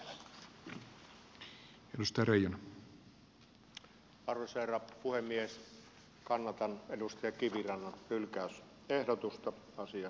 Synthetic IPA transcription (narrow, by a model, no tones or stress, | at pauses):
edust̪ɑjɑɾejonɑ | ɑrʋesʋeˑrɑpuhemːies | kɑnːɑt̪ɑnedust̪ɑjɑkiʋirɑnːɑnylkæˑys | ehdot̪ust̪ɑ | ɑsiɑ